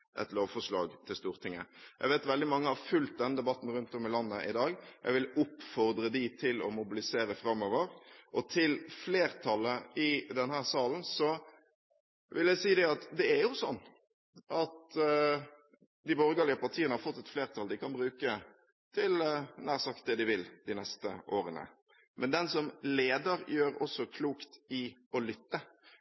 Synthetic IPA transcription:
ʔɛ̰t̪loːʋfɔʂlɑ̰ːɡt̪ʰɪlst̪uːɾt̪ʰɪŋːə̰jæ̰ɡʋɛːt̪ʋɛld̪ɪmɑŋːəhɑɾfʉlt̪̚d̪ɛnd̪ɛbɑt̪ːn̩ɾʉnt̪ɔmɪlɑnːəʔɪd̪ɑːɡjæ̰ɪʋɪlʊpːfɔɾd̪ɾəd̪ɪt̪ʰɪlɔ̰mʊbɪlɪseːɾəfɾɑmːoːʋəɾʔɔt̪ʰɪlfleːɾt̪ʰɑlːəɪd̪ɛnhæːʁsɑːln̩sɔ | ʋɪljæɪsiːd̪ɛɑt̪d̪ɛæɾjʊsɔnː | ʔɑt̪ | d̪ɪboːɾɡɑːlɪəpɑɾt̪ʰiːənəhɑɾfɔt̪ːɛt̪fleːɾt̪ʰɑld̪ɪkʰɑnbɾʉːkə | t̪ʰɪlnæːɾsɑkt̪̚d̪ɛd̪ɪʋɪld̪ɪnɛst̪ə̰ʔoːɾənə̰ | mʔɛnd̪ɛnsɔmleːd̪əɾjøːɾɔsːɔkʰluːkt̪ɪɔlʏt̪ːə

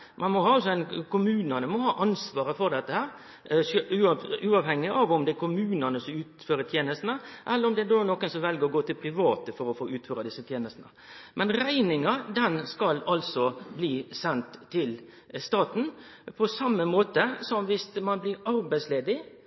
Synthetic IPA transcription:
mʔɑnmɔɦɑːɑls̬ɔæɪnkʰʊmʉːnənəmɔhɑːʔɑnsʋɑːɾəfɔɾd̪ɛt̪ːəhæːɾ | ʉʉːɑʋhɛŋːɪʔɑʋɔmd̪ɛækʰʊmʉːnənəsɔmʉːt̪føːɾət̪jeːnəst̪nəʔɛlːəɾɔmd̪ɛæd̪oːnɔkːənsɔmʋɛlɡəɾɔɡoːt̪ɪlpʰɾɪʋɑːt̪əfɔɾɔfoːʔʉːt̪føːɾɑd̪ɪsːət̪ʰjeːnəst̪nə | mʔɛnɾæɪnɪŋɑd̪ɛnskɑlɑlsɔbliːsɛnt̪t̪ʰːɪl | st̪ɑːt̪n̩pʰɔsɑmːəmoːt̪əsɔmʋɪst̪mɑnblɪɾɑɾbæɪsleːd̪ɪ

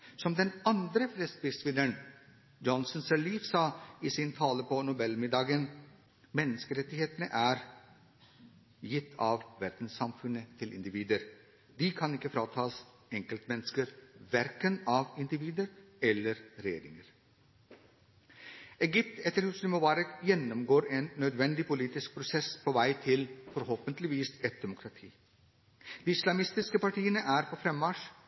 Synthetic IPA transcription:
sɔmd̪ɛnɑnd̪ɾəflɛst̪ʋɪsʋɪnːəɳ | d͡ʒɔnsɔnsɛɭiːfsɑːiːsɪnt̪ʰɑːləpɔnʊbɛlmɪd̪ɑːɡən | mɛnːəskəɾɛt̪ːɪheːt̪nəʔæɾ | jɪt̪ʰːɑʋʋæɾd̪̥n̩sːɑmfʉnːət̪ʰɪlʔɪ̰nd̪ɪʋiːd̪əɾ | d̪ɪkʰɑnɪkːəfɾɑːt̪ʰɑːs | ɛŋkəlt̪mɛnːəskəɾʋæɾkənɑːʋɪnd̪ɪʋiːd̪əɾɛlːəɾɾɛjḛːɾɪŋəɾ | ɛɡʏp̚t̪ɛt̪ːəɾhʉsnɪmoːʋɑːɾəjɛnːɔmɡoːɾeːnːœd̪ʋɛnd̪ɪpʊliːt̪ɪsk̚pʰɾʊsɛspʰoːʋæɪt̪ʰɪlfɔɾhoːpənt̪lɪʋiːsɛt̪̚d̪ɛmʊkʰɾɑt̪ʰḭː | d̪̥iːɪslɑmɪst̪ɪskəpɑʈʰiːənəʔæːɾpʰɔːfɾɛmːɑʂ

